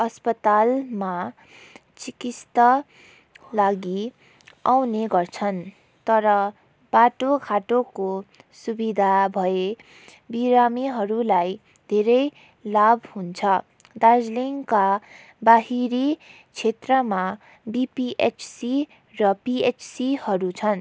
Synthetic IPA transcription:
ʌspʌt̪alma | t͡sikist̪ʌ | laɡi | awneɡʌrt͡sʰʌn | t̪ʌɾʌ | b̥aʈokʰaʈokosubid̪ʱabʱʌe | biɾamiɦʌɾulaj | d̪ʱeɾʌj | labʱhunt͡sʰʌ | d̪ad͡zliŋka | baɦiɾi | t͡sʰet̪rʌma | bipiʔet͡ʃsi | rʌpiet͡ssihʌɾut͡sʰʌn

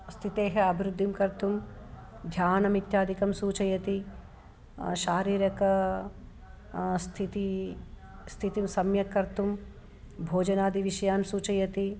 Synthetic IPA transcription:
st̪ʰit̪eːɦɐɐbʱiɾud̪ʱːimkɐɾt̪um | d̪ʱjaːnɐmit̪jaːd̪ʱikɐmsuːt͡ʃɐjɐt̪i | ʃaːɾiːɾɐkɐ | st̪ʰit̪i | st̪ʰit̪imsɐmjɐkːɐɾt̪um | bʱoːd͡ʒɐnaːd̪ʱiʋiʃɐjaːnsuːt͡ʃɐjɐt̪i

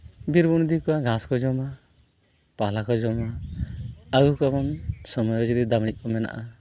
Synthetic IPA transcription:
biɾbuñd̪ikɔwaɡaskɔd͡ʒɔma | palakɔd͡ʒɔma | aɡukɔbamsɔmɔjɾɔd͡ʒɔd̪id̪amɽiʔ̚kɔmɛna̰ʔa

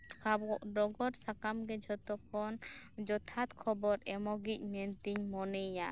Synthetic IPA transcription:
ɖɔɡɔɾsakamɡɛd͡ʒɔt̪ɔkʰɔnd͡ʒɔt̪ʰat̪kʰɔbɔɾɛmɔɡic̚ˀmɛnt̪iɲmɔnɛja

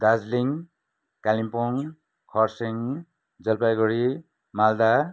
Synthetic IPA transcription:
d̪ad͡zliŋ | kalimpɔŋ | kʰɔɾsiŋ | d͡zʌlpajɡɔɾi | mald̪a

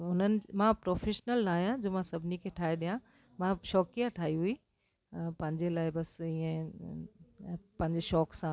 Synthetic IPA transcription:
ɦʊnənɪ̆mãpɾoːfeːʃnəlnaːɦijãd͡ʑoːmãsɐbʱɪnikʰeːʈʰaːɦeɗijã | mãʃɔːkijaʈʰaːɦiɦui | pɐ̃ɦɪ̃ɲd͡ʑelaːɪbɐsiːẽ | pɐ̃ɦɪɲd͡ʑeʃɔːksãː

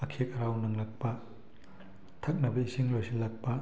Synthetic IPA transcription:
ɐkʰekɐɾawnɐŋlɐk̚pɐ | tʰɐk̚nɐbɐisiŋɾojsilɐk̚pɐ

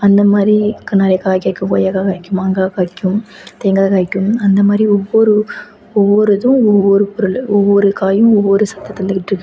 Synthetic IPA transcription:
ɐnd̪ɐmaːd̪ɾikːɐnɐɾɐjɐkaːjkaːɪkʲːɯ̃ko̰jɐkaːkaːɪkʲːɯmaŋɡaːkaːɪkːɯm | t̪eːŋɡaːkaːɪkʲːɯmɐnd̪ɐmaːd̪ɾiɔʋːɔɾɯ | ɔʋːɔɾɯðɯ̃ɔʋːɔɾɯpɔɾɯlɔʋːɔɾɯkaːjɯ̃ɔʋːɔɾɯsɐt̪ːɐt̪ːɪlːɪkːɪʈːɪɾɯkː

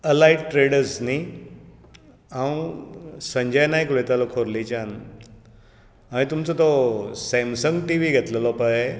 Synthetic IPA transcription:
əlaiʈʈɾeɽəɾsni | ãw̃səɲd͡ʑəjnaikʋet̪alɔkʰoɾlit͡ɕan | aɽ̃it̪umt͡sɔt̪ɔsɛmsəŋɡʈiʋiɡʱet̪ləlɔpae

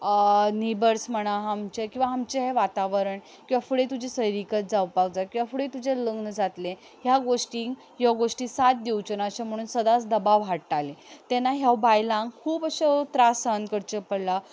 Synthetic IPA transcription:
nibəɾsm̤əɽ̃aɦamt͡ɕekĩw̃ʋaɦamt͡ɕeɦeʋat̪aʋəɾəɳ | kĩw̃ʋafəɽet̪ud͡ʑʱesəjɾikət̪̚d͡zawpak̚d͡zakĩw̃ʋafəɽet̪ud͡ʑeləɡnəd͡zat̪lẽ | ɦjaɡoʂʈiːŋɡ | ɦjɔɡoʂʈiːsat̪̚d̪iwt͡ɕənaɕam̤əɽ̃uːnsəd̪at͡sd̪əbaʋɦaʈʈalet̪ɛnaɦjawbajlãŋɡkʰuːbəɕat̪ɾasankəɾt͡ɕepəɽla

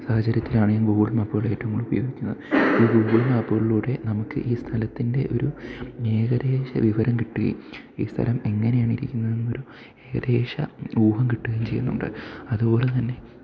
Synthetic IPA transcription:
saːhɐt͡ɕːɐɾjɐt̪ːilaːɳɨeŋɡuːbiɭmɐpːoːɭe̞ːtːɐʋɐŋːɐɭubɐ̰joːɡikʲːunːɐðɨiːɡuːʋiɭmaːpːoːɭiluːɽe̞nɐmukːɨ̰ʔiːst̪ʰɐlɐt̪ːinde̞ʔo̞̰ɾue̞ːɣɐde̞ːɕɐ̰ʋiʋɐɾɐmkiʈːuɣɐ̰jṵm | ḭːst̪ʰɐ̰lɐme̞ŋːɐne̞jaːɳiɾikʲːunːɐðenːmo̞ɾu | e̞ːɣɐ̰ðe̞ːʂɐ̰uːhɐmkiʈːuɣɐjumt͡ɕe̞jːunːṵɳɖɨ̰ɐðubo̞ːle̞t̪ɐnːe̞

